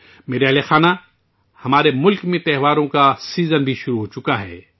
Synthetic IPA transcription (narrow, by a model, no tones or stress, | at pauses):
meːɾeɐɦlexaːna | hɐmaːɾemʊlkmẽt̪ɛɦʋaːɾõkasiːzənbʱiʃʊɾuɦoːt͡ʃʊkaɦɛ̰ː